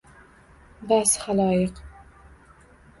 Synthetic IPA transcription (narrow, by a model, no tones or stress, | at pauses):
bashalˠɒːjɨq